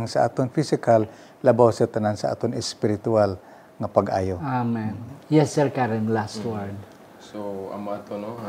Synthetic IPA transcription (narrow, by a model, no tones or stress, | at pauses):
ŋsaʔa̰ːt̪oŋfisɪkalː | ɐbawsat̪anansaʔa̰ːt̪onɛspɪɾɪt̪ual | ŋapaɡʔa̰ːjoamanjɛsːɛɹkaɾɪnlast̪waɹd̪ | soɐ̰moat̪ono